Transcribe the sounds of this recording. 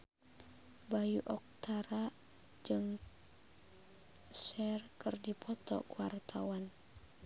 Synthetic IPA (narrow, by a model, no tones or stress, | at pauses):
bajuʔɔk̚t̪ʰaɾa | d͡ʒɨŋ | sɛrkɨrdipʰɔt̪ɔ̰kuwart̪ʰawan